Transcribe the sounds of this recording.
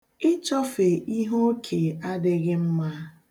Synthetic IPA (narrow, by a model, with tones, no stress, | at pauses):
ɪ˦t͡ʃɔ˦fe˨ʔi˦ɦo˦kʰe˨a˦dɪ˦ɣɪ˦m̩˦ma˦